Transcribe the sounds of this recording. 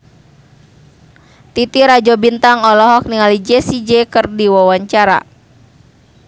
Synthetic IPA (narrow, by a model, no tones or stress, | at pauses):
t̪it̪iɾad͡ʒɔbint̪aŋɔlɔɦɔk̚niŋalid͡ʒɛsid͡ʒɛkɨrdiwɔwaɲt͡ʃaɾa̰